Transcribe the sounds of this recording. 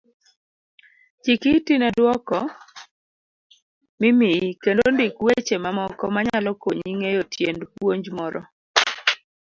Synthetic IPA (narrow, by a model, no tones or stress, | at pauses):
t͡ʃikitinɛdwɔkɔ | mɪmiikendondɪkwet͡ʃemamɔkɔmaɲalɔkoɲiŋejotjendpwoɲd͡ʒmɔɾʔɔ̰